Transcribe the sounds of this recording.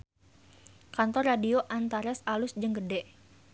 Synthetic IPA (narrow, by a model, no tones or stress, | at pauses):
kant̪ɔrːadioʔant̪aɾɛsalʊsd͡ʒəŋɡədɛʔ